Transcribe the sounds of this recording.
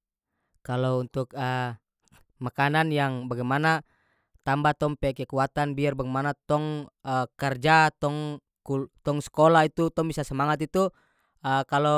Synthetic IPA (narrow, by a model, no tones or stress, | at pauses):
kalount̪ukə | makananjaŋbaɡɛjmana | t̪ambat̪ɔmpɛkɛkuat̪anbiarbaɡɛjmanat̪ɔŋəkərd͡ʒat̪ɔŋ | kut̪ɔŋsə̥kɔlait̪ut̪ɔŋbisasəmaŋat̪it̪u | əkalo